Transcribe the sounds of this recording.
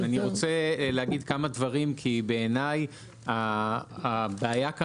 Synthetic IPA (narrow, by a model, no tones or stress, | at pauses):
aniʁo̞t͡selehaɡid̪kamadvaʁimkʰibeːnaj | aː | beajaka